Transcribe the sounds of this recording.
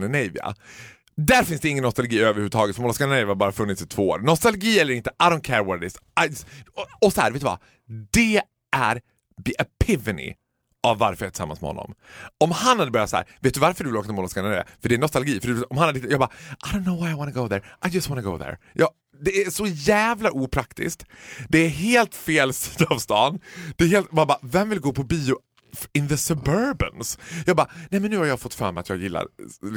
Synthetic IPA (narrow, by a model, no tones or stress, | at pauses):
nənɛjvɪ̰a̰ | d̪æɾfɪnsd̪ɛɪŋːənːɔst̪alɡiːøːvəɾhʉːʉət̪ʰɑːɡət̪fɔmɔlskanənɛjvɪhabɑːɾafɵnːɪt̪sɪt̪ʰvoːo̰ːɾnɔst̪alɡiːɛlːəɾɪnt̪ə̥ʔaɪdõʊnt̪̚kʰɛɾwɔɾd̪ɪsaɪ | ɔsɔhæ̰ːɾveːt̪ːvɑ̰ | d̪ɛ | æɾ | ðiʔapʰɪvɪnɪ̰ | ʔavːa̰ɾfœɾjaʈ̪ʰɪ̥sa̰mːansmɛ̰hɔ̰nːɔ̰mɔmhanːad̪əbœɾjatsahæ̰ːɾveːt̪̚d̪ʉvaɾfəɖɵʉvɪloːkt̪ɔmɔlɔskanɛvɪ̰a̰fœɖɛːɳɔst̪alɡiːfœɖɵɔmhanhad̪ət̪ʰɪt̪ːjɑːɡbɑːaɪdõʊnːoʊwajaɪwɑːnəɡoʊðəɾʔaɪd͡ʒɐst̪wɑnəɡoʊðə̰ɾ | jʔɑː | d̪ɛæʂɔjæːvlaʔuːpʰɾakt̪ɪ̰sk̚t̪d̪ɛæɦeːlt̪feːlsiːd̪aːvst̪ɑːnd̪̥ɛɦeːlt̪mabɑːvɛmvɪlɡoːpʰɔbiːʊ | ɪnðəsɵbœɾbə̰nsjɑːɡ̚bɑːnɛjmɛnːʉ̟ːhaɾjɑːɡfɔt̪ːfœːmɛɪat̪jɑ̰ːɡjɪlːa̰ɾ